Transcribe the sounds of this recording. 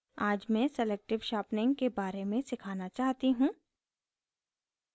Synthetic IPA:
aːd͡ʒmɛ̃sɛleːk̚ʈɪʋʃaːpnɪ̃ŋɡkebaːɾemẽsɪkʰaːnat͡ʃaːɦt̪iɦũː

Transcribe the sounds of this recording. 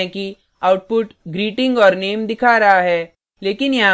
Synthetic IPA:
ɛ̃ki | aːʊʈ̚pʊʈɡɾiːʈɪ̃ŋɡɔːɾneːmd̪ɪkʰaːɾɐɦaɦɛː | leːkɪnjɐɦã

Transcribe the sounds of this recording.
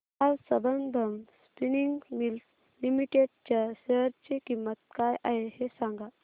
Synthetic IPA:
azsəbənd̪ʱəmspiniŋɡmilt̪ | limiʈeɖ̚t͡ɕaɕeɦəɾt͡ɕikimːət̪̚kajʔaɦehesãŋɡa

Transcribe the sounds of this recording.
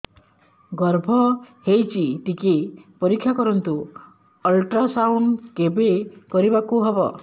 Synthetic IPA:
ɡɔɾbʱɔhejt͡ʃit̪ikepɔɾikʰːjakɔɾɔnt̪u | ɔlʈɾasawɳɖkebekɔɾibakuɦebɔ

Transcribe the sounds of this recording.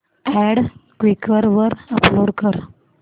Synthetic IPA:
æɽkʋikəɾʋəɾəploɽkəɾ

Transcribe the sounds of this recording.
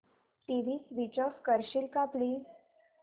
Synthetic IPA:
ʈiʋiːʋit͡ɕɔkkəɾɕilkapliː

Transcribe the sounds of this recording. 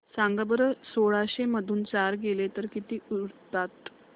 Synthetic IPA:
sãŋɡəbəɾəsoɭaɕeməd̪ʱuːnt͡saɾɡelet̪əɾkit̪iːuɾt̪at̪

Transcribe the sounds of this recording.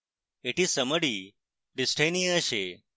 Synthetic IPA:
eʈizsəməɽi | ɖisʈʰajnĩəɕe

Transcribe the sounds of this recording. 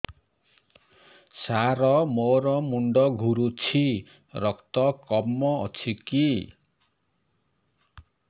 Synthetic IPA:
saɾɔmoɾɔmuɳɖɔɡʱuɾut͡sʰi | ɾɔkt̪ɔkɔmːɔ̰ːt͡sʰiki

